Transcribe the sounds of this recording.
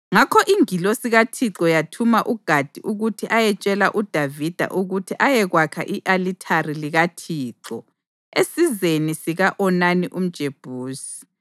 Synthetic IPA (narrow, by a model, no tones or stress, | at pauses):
ŋakʰɔʔiŋilosiɣatʰiǁɔjatʰumaʔuɡ̥ʱad̥ʱiʔuɣutʰiʔajɛt͡ʃʼɛlaʔud̥ʱavid̥ʱa̰ʔuɣutʰiʔajɛɣwakʰa̰ʔiʔalitʰariliɣatʰiːǁɔ | esizenisiɣaʔɔnaniʔum̩d̥ʒ̥ʱeb̥ʱuːsi̥